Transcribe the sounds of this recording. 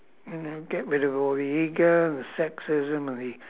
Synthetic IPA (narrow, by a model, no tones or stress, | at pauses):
jɨnoʊɡ̥ɛʔɹɪɾʌvɔlˠðiiɡəə̃nðɨsɛksɪzɨ̃mə̃nðɨ